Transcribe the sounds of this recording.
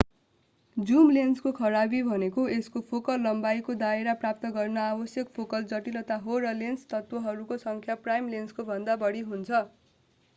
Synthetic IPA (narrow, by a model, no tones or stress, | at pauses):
d͡zumlenskokʰʌɾabibʱʌnekoeskopʰokʌlːʌmbajkod̪aeɾaprap̚t̪ʌɡʌrnʌabʌsjʌkpʰokʌld͡zʌʈilʌt̪aɦorʌlenst̪ʌt̪wʌɦʌɾukosʌŋkʰjaprajmlenskobʱʌnd̪abʌɽiɦunt͡sʰʌ